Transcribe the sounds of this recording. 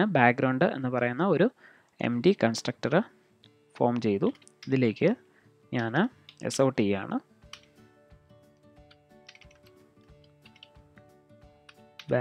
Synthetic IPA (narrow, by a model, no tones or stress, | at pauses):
ɨbaːkɡɾɐwɳɖɨe̞̰nːɨpɐrɐjunːɐo̞ɾu | e̞̰mdikɐnsʈrɐk̚ʈɐrɨ | fo̞ːmt͡ɕe̞jt̪u | iðile̞ːkʲːɨ | ɲaːnɨḛsoːʈːia̰ːɳɨ | b